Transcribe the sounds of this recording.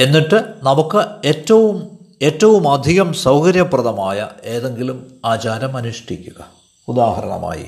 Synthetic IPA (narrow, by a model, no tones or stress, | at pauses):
e̞nːiʈːɨnɐmukːɨetːɐʋum | e̞ːtːɐʋumɐd̪ʱiɣɐmsɐwkɐɾjɐprɐðɐmaːjɐ̰e̞ːðe̞ŋɡilumaːt͡ɕaːɾɐmɐnuʂʈikʲːuɣɐ | ud̪aːhɐɾɐ̰ɳɐ̰ma̰ːjḭ